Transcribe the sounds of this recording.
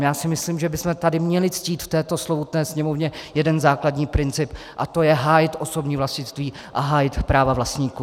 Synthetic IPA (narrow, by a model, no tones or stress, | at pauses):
jaːsɪmɪsliːmʒɛbɪsmɛt̪adɪmɲɛlɪt͡sciːt̪ft̪ɛːt̪o̞slobut̪nɛːsɲɛmo̞vɲɛjɛdɛnzaːkladɲiːpɾɪnt͡sɪp | ʔat̪o̞jɛɦaːjɪt̪ʔo̞so̞bɲiːvlascɪst̪viː | ʔaɦaːjɪt̪pɾaːvavlast̪ɲiːku